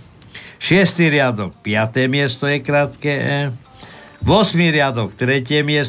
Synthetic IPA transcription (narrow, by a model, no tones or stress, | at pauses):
ʃɪɛst̪iɾɪad̪ɔk̚pɪat̪ɛːmɪɛst̪ɔjɛkɾaːt̪kɛ | ʋɔsmiɾɪad̪ɔkt̪ɾɛcɪɛmɪɛs